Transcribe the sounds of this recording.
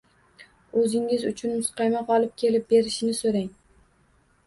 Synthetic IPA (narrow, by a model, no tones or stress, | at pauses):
ɵzɪŋɪzʊt͡ʃʰʊnmʊsqʰɑjmaqʰɒlˠɪp̚kʲʰe̞lɪp̚beɾɪʃɪnɪsoɾaŋ